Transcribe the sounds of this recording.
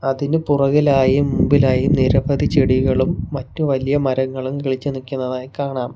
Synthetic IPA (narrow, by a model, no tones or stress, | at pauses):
ɐðinɨpurɐɣilaːjumːumbilaːjumniɾɐbɐðit͡ɕeɽiɣɐɭumːɐtːuʋɐlijɐmɐɾɐŋːɐɭumkiɭit͡ɕːunikʲːunːɐðaːjkaːɳaːm